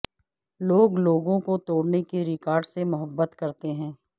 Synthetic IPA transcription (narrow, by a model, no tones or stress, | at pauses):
loːɡloːɡõkot̪oːɽnekiɾɪkaːɾɖsemʊɦəbːət̪kɐɾt̪eɦɛ̃ː